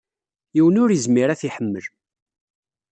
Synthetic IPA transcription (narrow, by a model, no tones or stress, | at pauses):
jiwənʊɾjəzmiɾæθiħəmːəl